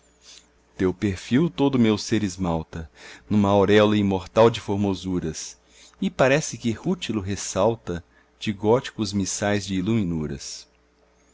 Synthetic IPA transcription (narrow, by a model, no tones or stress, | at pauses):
t̪ewpeɾfiwt̪od̪ʊmewseɾɪzmawt̪ɐnũmɐwɾɛlɐĩmoɾt̪awd͡ʒɪfoɾmozuɾɐs | ɪpaɾɛsɪkɪhut͡ʃilʊɦesawt̪ɐ | t͡ʃɪɡɔt͡ʃi̥kʊzmisajzd͡ʒɪːlumĩnuɾɐ̰s